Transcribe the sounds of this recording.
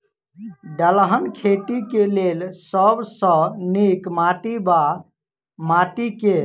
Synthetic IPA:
ɖəlɦənkʰeʈikelelsəbsə̃nikmaʈiba | maʈike

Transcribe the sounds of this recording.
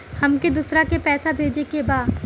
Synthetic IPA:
hɐmked̪usɾakepɛːsabʱeːd͡ʒekebaː

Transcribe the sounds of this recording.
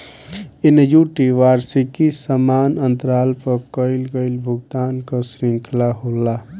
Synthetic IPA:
enjuʈiʋaːɾsikisəmaːnənt̪əɾaːlpəkəɪlɡəɪlbʱuɡt̪aːnkəsɾiŋkʰlaɦola

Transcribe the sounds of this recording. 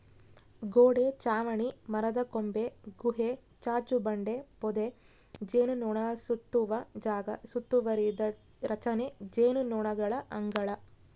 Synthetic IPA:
ɡoːɽet͡ʃaːʋɐɳimɐɾɐd̪ɐkombeɡuɦe | t͡ʃaːt͡ʃubɐɳɖepɔd̪e | d͡ʒeːnunɔːɳɐsut̪ːuʋɐd͡ʒaːɡɐsut̪ːuʋɐɾid̪ɐ | ɾɐt͡ʃɐned͡ʒeːnunɔːɳɐɡɐɭɐʔɐŋɡɐɭɐ

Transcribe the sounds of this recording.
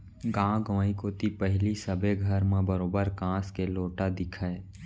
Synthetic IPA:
ɡãːɡãːikoːt̪ipɛɦlisəbeɡʱəɾmãbəɾoːbəɾkãːskeloːʈad̪ɪkʰəe

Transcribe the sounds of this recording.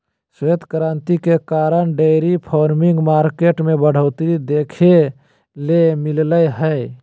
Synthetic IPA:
sed̪ʱkəɾaːnt̪ikekaːɾəɳɖeɾipʰɔːɾmiŋɡmaːɾkeʈmẽbəɽ̤əʊt̪ɾid̪eːkʰe | lemɪlləjɦə

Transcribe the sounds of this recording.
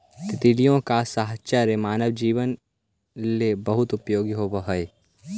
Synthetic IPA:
t̪ɪt̪ilijõkasaɦt͡ʃəɾemaːnəʋd͡ʒiːʋən | lebɐɦʊt̪ʊpjoːɡiɦobəɦəe

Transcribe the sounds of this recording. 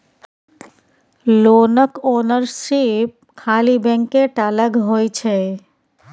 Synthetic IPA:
lonəkoːnəɾsip̚kʰalibɛ̃ŋkeʈaləɡɦojt͡ʃʰe

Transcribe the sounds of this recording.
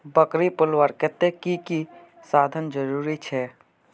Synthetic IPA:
bəkɾipʊlʋəɾket̪ekiki | sad̪ʱənd͡ʒəɾuɾit͡ʃʰɛ

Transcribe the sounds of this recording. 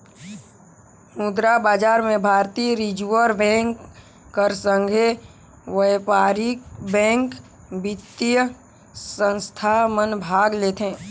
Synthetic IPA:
mud̪ɾabaːd͡ʒaːɾmẽbʱaːɾt̪iɾɪd͡ʒuəɾbɛ̃ːŋkː | əɾsə̃ŋɡʱe | ʋəjpaːɾɪkbɛ̃ːŋk | bɪt̪ːjə | sə̃nst̪ʰamənbʱaːɡleːt̪ɦɛ̃ː

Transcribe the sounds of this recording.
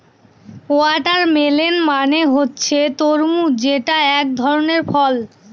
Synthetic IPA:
oaʈaɾmelenmaneɦotːɕʰet̪oɾmud͡ʑeʈaɛk̚d̪ʱɔɾoneɾfɔl

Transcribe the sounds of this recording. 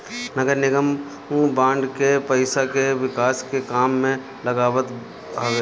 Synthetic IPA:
nɐɡəɾnɪɡəm | ũbãːɳɖkepəɪsakeʋɪkaːskekaːmːẽ | lɐɡaːʋət̪ | ɦɐeː

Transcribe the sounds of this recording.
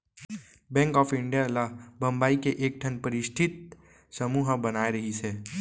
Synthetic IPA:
bɛ̃ːŋkɔːfɪ̃ɳɖijalabʱɐ̃mbaːikeʔeːk̚ʈʰənpɐɾɪʃʈ̪ʰɪt̪̚ | sɐmuːɦbɐnaːeɾɐɦisɛː

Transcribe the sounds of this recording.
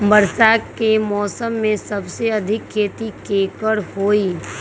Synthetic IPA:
bɐɾsakemɔːsəmːẽsɐbseɐd̪ʱɪkʰːeːt̪ikeːkəɾhoːiː

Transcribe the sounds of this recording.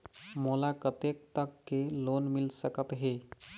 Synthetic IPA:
məlakət̪ek̚t̪əkːelonmilsəkət̪ɦe

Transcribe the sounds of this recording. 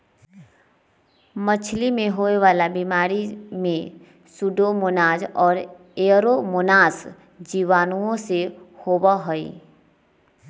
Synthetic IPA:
mət͡ʃʰlimẽɦoːeʋaːlabimaːɾimẽ | sʊɖomʊnaːd͡ʒɔːɾ | eːɾomʊnaːs | d͡ʒiːʋaːnũõsehoːbaɦoḭ

